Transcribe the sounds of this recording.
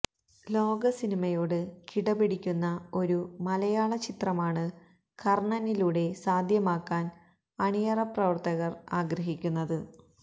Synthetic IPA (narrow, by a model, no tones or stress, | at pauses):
lo̞ːɡɐsinimɐjo̞ːɽɨkiɽɐbiɽikʲːunːɐo̞ɾumɐlɐjaːɭɐt͡ɕit̪rɐmaːɳɨ | kɐrɳɐniluːɽe̞saːd̪ʱjɐmaːkːaːn | ɐɳijɐrɐprɐʋɐrt̪ɐɣɐraːɡɾɐɦikʲːunːɐðɨ